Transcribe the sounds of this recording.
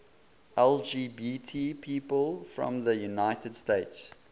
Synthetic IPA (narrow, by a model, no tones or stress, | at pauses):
ɛlˠd͡ʒiːbitʰipʰiːpəlˠfɹɔ̰̃mðəjunaɪtədsteɪts